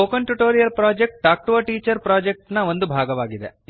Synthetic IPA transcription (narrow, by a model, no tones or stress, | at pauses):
oːkɐɳʈuʈoːɾijɐɾpɾaːd͡ʒek̚ʈːaːk̚ʈʋɐʈiːt͡ʃɐɾpɾaːd͡ʒek̚ʈnɐo̞nd̪ubʱaːɡɐʋaːɡid̪ḛ